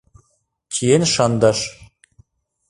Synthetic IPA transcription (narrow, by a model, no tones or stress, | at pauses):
kʲʰijenʃɑnd̪ɑʃ